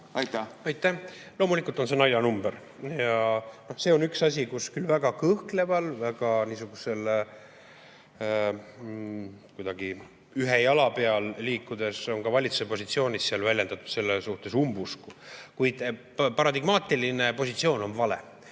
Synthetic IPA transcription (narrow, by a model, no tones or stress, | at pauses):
ɑjt̪æɑjt̪ːˑæh | lo̞mulikːˑult̪o̞nse̞nɑjɑnumbeɾ | jɑno̞hse̞ːo̞nyksɑs̬ʲikuskylvæɡ̥ɑkɤhkle̞vɑlvæɡ̥ɑniːsuɡ̥use̞l | kujd̪̥ɑɡ̥i | yɦejɑlɑpe̞ɑlliːkːud̪̥e̞so̞ŋɡɑvɑlʲit̪su̥sepo̞sʲit̪sio̞ːnʲissiɑlvælʲjend̪ɑt̪ud̪̥se̞lːesuht̪e̞sumbuskukujd̪̥ | pɑɾɑd̪iɡ̥mɑːt̪ˑiline̞po̞sʲit̪sio̞ːno̞nvɑlḛ